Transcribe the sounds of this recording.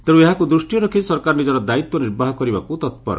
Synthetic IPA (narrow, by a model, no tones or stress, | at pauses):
t̪eɽũeɦakud̪ɾusʈijɔɾɔkʰisɔɾkaɾɔnid͡ʒɔɾɔd̪ait̪wɔniɾbaɦɔkɔɾibakut̪ɔt̪pɔ̰ɾɔ̰